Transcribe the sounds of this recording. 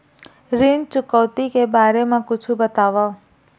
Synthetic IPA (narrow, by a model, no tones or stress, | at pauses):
ɾɪnt͡ʃʊkɔːt̪ikebaːɾemãkʊt͡ʃʰubət̪aːʋa